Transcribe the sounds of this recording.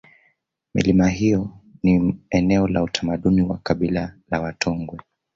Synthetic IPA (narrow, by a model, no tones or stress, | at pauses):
mḭlimaɦijɔniɛnɛɔlautʰamaɗuniwakaɓilalawatʰɔŋɡwɛ